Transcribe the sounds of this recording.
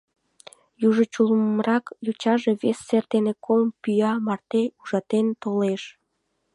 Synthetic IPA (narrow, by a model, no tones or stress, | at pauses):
juʒət͡ɕuləmrɑkjut͡ɕɑʒeβesːert̪enekʰolmpyjɑmɑrt̪euʒɑt̪ent̪oleʃ